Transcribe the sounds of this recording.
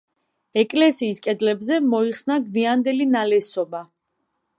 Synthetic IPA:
ɛkʼlɛsiːskʼɛd̪lɛbzɛmɔiχsnaɡviand̪ɛlinalɛsɔba

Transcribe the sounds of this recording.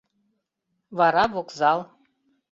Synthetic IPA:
vɑɾɑβokzɑlˠ

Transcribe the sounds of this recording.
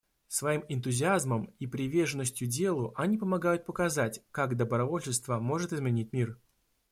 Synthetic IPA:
svɐimɪnt̪ʊzʲɪazməmipɾʲɪvʲerʐɨnːəsʲtʲjʊdʲe̞lˠʊʔɐnʲipəmɐɡajʊt̪̚pəkɐzatʲkaɡd̪əbɾɐvo̞lʲɕɪst̪vəmo̞ʐɨt̪ɪzmʲɪnʲit̚ʲmʲir

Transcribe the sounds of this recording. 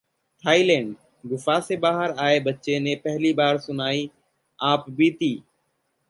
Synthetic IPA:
t̪ʰaːiːlẽːɳɖ | ɡʊfaːseːbaːɦəɾaːeːbətːt͡ʃeːnẽːpəɦliːbaːɾsʊnaːiː | aːpbiːt̪iː

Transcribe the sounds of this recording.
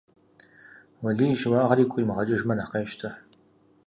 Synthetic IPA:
wɐɮiːʒwɑːʁɐɾiːkʷʰʼʊimɨʁɐt͡ʃʼɪʒmɐnaqeːʃtʰɐ

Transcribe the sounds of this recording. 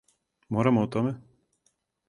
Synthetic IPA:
mɔɾamɔːt̪ɔmɛ

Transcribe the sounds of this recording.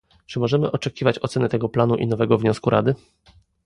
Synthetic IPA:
t͡ʂɘmɔʐɛmɘʔɔt͡ʂɛkʲivat͡ɕɔt̪sɛnɛt̪ɛɡɔplanuʔinɔvɛɡɔvɲɔskuɾʔa̰d̪ɘ

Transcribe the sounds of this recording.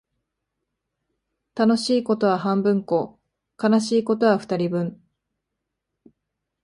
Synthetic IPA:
t̪ano̞ɕiːko̞t̪o̞βahãmbɯ̟̃ŋko̞ː | kanaɕiːko̞t̪o̞βaɸɯ̥t̪aɾʲibɯ̟̃ɴ

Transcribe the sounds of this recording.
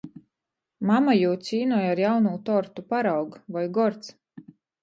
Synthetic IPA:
mamajuːsʲiːnujaɾjawnuːt̪ɔɾt̪upaɾawɡvajɡɔɾt̪s

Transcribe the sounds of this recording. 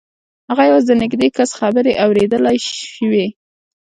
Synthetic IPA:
haɣajawazd̪ənɪɡd̪ekasxabəɾeʔawɾed̪əlajʃwe

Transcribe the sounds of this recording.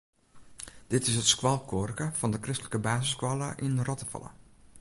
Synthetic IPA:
d̥ɪtɪsətskwɔlˠkʰorkəfɔndəkrɪstələkəbaːsəskwɔlˠəʔinrɔtəfɑ̰lˠə̰

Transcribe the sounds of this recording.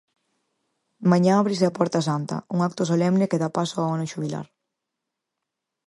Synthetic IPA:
maɲãaβɾis̬eapɔɾt̪asant̪ɐ̰uŋakt̪osolɛmnekeðapasoaanʊʃuβila̰ɾ

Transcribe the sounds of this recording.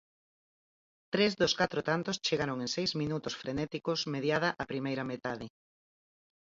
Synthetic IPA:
t̪ɾezðʊskat̪ɾot̪ant̪ost͡ʃeɣaɾoŋẽŋsejzmĩnut̪ʊsfɾenɛt̪ikosmeðjaðɐʔapɾimejɾɐmet̪aðɪ

